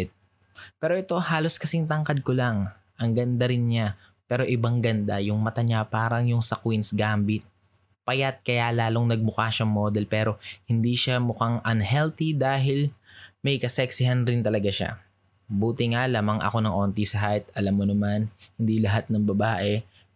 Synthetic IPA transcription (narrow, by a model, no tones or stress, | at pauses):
t̪̚ | pɛːɾoʔɛt̪o̞haːlo̞skɐsɪŋt̪ɐŋkɐd̪̚kolaŋ | ʔɐŋɡɐnd̪aɾɪnɲa | pɛːɾo̞ʔɪbaŋɡɐnd̪ajʊŋmɐt̪ɐɲapaːɾɐŋjʊŋsɐkwinsɡaːmbɪt̪̚ | pɐjat̪̚kɐjalaːlo̞ŋnɐɡ̚mʊkaʃɐŋmoːd̪ɛlpɛːɾo̞hɪnd̪iʃamʊkaŋʔɐnhɛlt̪id̪aːɦɪlmɛjkɐsɛksɪɦanɾɪnt̪ɐlɐɡaʃa̰ | buːt̪ɪŋalaːmɐŋʔɐ̰ko̞nɐŋʔo̞ːnt̪isɐɦajt̪̚ʔɐlamːonɐmanhɪnd̪ilɐɦat̪̚nɐŋbɐbaːʔɛ